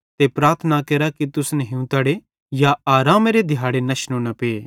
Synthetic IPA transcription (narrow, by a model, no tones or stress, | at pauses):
t̪epɾaːɾt̪ʰənakeːɾakit̪ʊsneɦũt̪aːɽe | jaaːɾaːmeɾed̪ʱɪjaːɽenɐʃnõnɐpeeː